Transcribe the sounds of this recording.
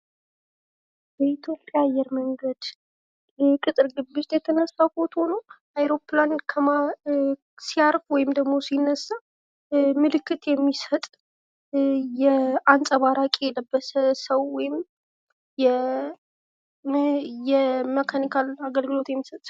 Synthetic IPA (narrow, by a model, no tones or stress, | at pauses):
b̥əit̪ʰjo̞pʼːjaːjːɛɾməŋɡəd̪ | kʼɨt̪ʼɨɾɡɨbːɨst̪jɛt̪ʰənəsːahot̪ho̞no | ajɾo̞plankʰəma | siaɾfwɔjɪmd̪əɡmo̞sinːəsːa | mɨlɨkʰːɨt̪jɛmːisət̪ʼ | jɛansʼəβaɾakʼijɛləbːəsəsəwːɔjɪm | jɛ | jɛməkʰanikʰalaɡəlɡɨlo̞t̪jɛmːisət̪ʼ